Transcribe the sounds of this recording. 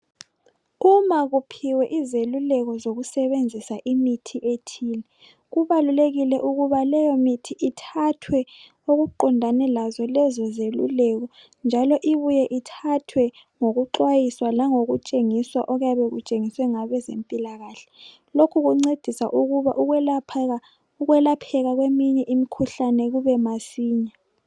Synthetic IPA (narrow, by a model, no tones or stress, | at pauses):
umaɣupʰiwɛʔizelulɛɣɔzoɣusɛβend͡zʱisaʔimitʰiʔetʰiːlɛ | ɣuβaluleɣilɛʔuɣuβalɛjɔmitʰiʔitʰatʰwɛ | oɣuǃɔndʱanɛlazɔlɛzɔzelṵlɛɣɔ | nd͡ʒʱalɔʔiβujɛʔitʰatʰwɛ | ŋoɣuǃwajiswalaŋoɣut͡ʃʼeŋiswaʔɔɣujaβɛɣut͡ʃʼeŋiswɛŋaβɛzempʼilaɣaːɬɛ̥ | lokʰuɣuŋ͡ǀed̥ʱisa̰ʔuɣuβaʔuɣlʰa | uɣwɛlapʰɛɣaɣwemiɲɛʔimikʰuɬanɛɣuβɛmasiːɲa